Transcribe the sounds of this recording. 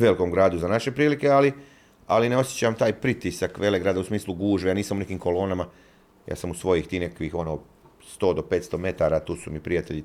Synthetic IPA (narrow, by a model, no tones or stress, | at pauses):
ʋelikomɡɾaːd̪uzanaʃe̞pɾiːlike̞ali | alineo̞sjet͡ɕamt̪aːjpɾit̪isakʋe̞le̞ɡɾaːd̪ausmiːslˠuɡuːʒʋejaniːsamune̞kiːmko̞lo̞ːnama | ja̰ːsamusʋo̞jixt̪iːnekakʋixo̞noː | st̪o̞ːd̪ope̞ːt̪st̪ome̞t̪aɾat̪uːsumipɾijat̪eʎi